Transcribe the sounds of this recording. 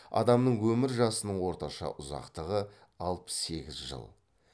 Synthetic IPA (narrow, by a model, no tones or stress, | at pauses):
ɑ̰d̪ɑmnəɴwɵmɪɾʒɑsənəɴwo̞ɾt̪ɑʃɑ̰ʔʊzɑ̰qt̪əʁə | ɑlˠpə̥sːe̞ɡʲɪzʒə̰lˠ